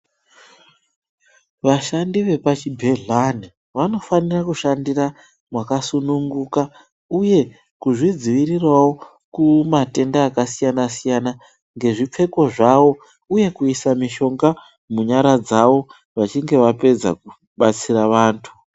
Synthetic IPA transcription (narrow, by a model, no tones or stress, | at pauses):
ʋaʃandiʋe̞pat͡ʃibʱe̞ɮani | ʋano̞fanirakuʃandira | mwakasunuŋɡuka | uje̞ | kuʐid͡ziʋirirwawo̞ | kumate̞ndaːkasijanasijana | ŋɡe̞ʐip͡fe̞ko̞ʐawo̞ | uje̞kuisamiʃo̞ŋɡa | muɲaɾad͡zaʋo̞ | ʋat͡ʃiŋɡe̞ʋape̞d͡za̰ku | ɓat͡siraʋaːntʰu